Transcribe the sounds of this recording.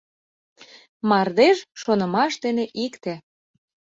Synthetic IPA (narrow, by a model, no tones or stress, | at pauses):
mɑrd̪eʃʃonə̆mɑʃd̪eneʔikt̪ĕ